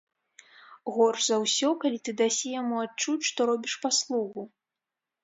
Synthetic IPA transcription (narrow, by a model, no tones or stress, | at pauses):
ɣɔrʂzɐwsʲɔkalʲit̪ɨd̪asʲijamuat͡ʂut͡sʲʂt̪ɔɾɔbʲiʂpaslˠuɣu